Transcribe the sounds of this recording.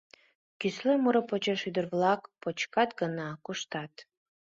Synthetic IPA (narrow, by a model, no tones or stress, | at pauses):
kyslømuɾəpot͡ɕeʃyd̪ərβlɑkpot͡ɕkɑt̪ɡənɑkuʃt̪ɑt̪